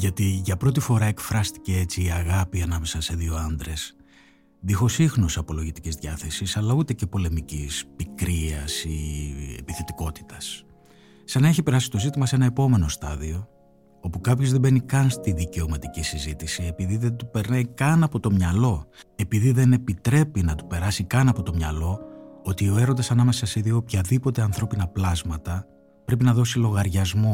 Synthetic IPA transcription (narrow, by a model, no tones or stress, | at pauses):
ʝɐt̪iʝɐpɾo̞t̪̬ifo̞ɾɐe̞kfɾɐst̪i̥ce̞e̞t͡siːɐɣɐpiɐnɐme̞sɐse̞ðio̞ɐnd̪ɾe̞s | ðixo̞sixnosɐpo̞lo̞ʝit̪icizðʝɐθe̞sisɐlɐut̪e̞ce̞po̞le̞micispikɾiɐsiḛpiθet̪iko̞t̪i̥t̪ɐs | sɐnɐe̞çipe̞ɾɐsi̥t̪o̞zit̪imɐse̞nɐe̞po̞me̞no̞st̪ɐðio̞ | o̞pukɐpço̞zðe̞be̞nikɐnst̪iðice̞o̞mɐt̪icisizit̪isie̞piðiðe̞nt̪upe̞ɾnɐjkɐnɐpo̞t̪o̞mɲɐlo̞e̞piðiðe̞ne̞pit̪ɾe̞pinɐt̪u̥pe̞ɾɐsikɐnɐpo̞t̪o̞mɲɐ̰lo̞ot̪io̞e̞ɾod̪ɐsɐnɐme̞sɐseðiopçɐðipo̞t̪e̞ɐnθɾo̞pinɐplɐzmɐt̪ɐ | pɾe̞pinɐðo̞silo̞ɣɐɾʝɐzmo̞